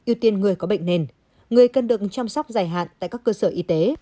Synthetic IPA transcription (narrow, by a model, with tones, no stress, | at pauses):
ʔi˧əwt̪i˧ənŋɨ˨˩əjkɔ˨˦ɓə̰˧˨jŋ̟ne˧˩n | ŋɨ˨˩əjkə˨˩nɗɨ˨˩ək̚t͡ɕaː˧msa˦˥wk͡p̚zaː˨˩jɦa̰ː˧˨nt̪a̰ː˧˨jkaː˦˥kːəː˧səː˧˩ʔi˧t̪e˨˦